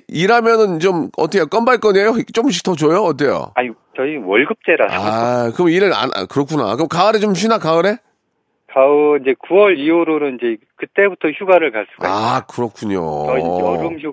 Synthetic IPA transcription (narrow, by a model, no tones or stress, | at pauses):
iɾamjʌnɯnt͡ɕomʌ̰t͈ʰkjok͈ʌmbaɭk͈ʌɲejot͡ɕ͈omɕ̬ʰitʌt͡ɕojoʌt̬͈ejo̰aɲi | t͡ɕʌiwʌɭɡɯp̚t͡ɕ͈eɾasakɯmiɾɯɾa̰n̰kɯɾʌk͈ʰuna̰kɯmkaɯɾet͡ɕomɕ̬ʰinakaɯɾe | kaɯind͡ʑe̞kuwʌɾiuɾoɾoind͡ʑe̞kɯt͈e̞butʰʌçjuɡaɾɯɭkaɭs͈u̥a̰a̰kɯɾʌkʰuɲo̰ʌiʌɾɯmçu